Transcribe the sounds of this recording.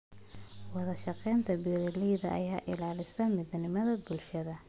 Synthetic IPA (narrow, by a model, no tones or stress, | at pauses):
wɑðɐʃɑqɛːnt̪ʰɐbiɾɪliːjðɐ̰ʔɐ̰jaːʔɪlaːlɪsɐmɪdnɪmɐðɐbʊlʃɐðɐ